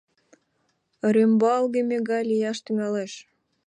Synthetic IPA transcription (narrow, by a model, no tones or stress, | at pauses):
ɾembɑlɣemʲeɣɑjlʲijɑʃt̪yŋɑleʃ